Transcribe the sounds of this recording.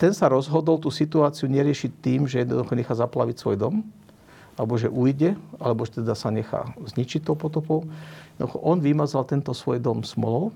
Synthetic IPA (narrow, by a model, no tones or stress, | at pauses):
t̪ɛnsaɾɔzɦɔd̪ɔlt̪uːsit̪uaːt͡siuɲɛɾɪɛʃict̪iːmʒɛjɛd̪nɔ̰d̪uxɔɲɛxaːzapla̰ʋicsʋɔ̰jd̪ɔm | ʔalɛbɔʒɛʔuːjɟɛalɛbɔʒɛt̪ɛd̪asaɲɛxa̰ːzɲit͡ʃic̚t̪ːɔʊpɔt̪ɔpɔʊjjjɛd̪d̪uxɔ̰ʔɔnʋimazalt̪ɛnt̪ɔsʋɔjd̪ɔmsmɔ̰lɔʊ